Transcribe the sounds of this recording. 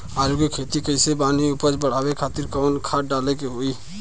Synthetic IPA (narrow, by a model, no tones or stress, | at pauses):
aɾukekʰet̪ikəɪsebaniupət͡ʃbəɽ̤abekʰat̪iɾkɔnkʰaʈ̚ɖalekeɦoi